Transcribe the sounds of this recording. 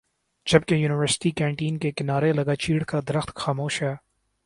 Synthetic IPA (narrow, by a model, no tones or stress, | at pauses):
d͡ʒɐb̚kejuːnɪʋəɾsɪ̥ʈikɛ̃ːɳʈiːnkekɪnaːɾelɐɡaːt͡ʃiːɽkad̪ɐɾəxt̪xaːmoːʃjaː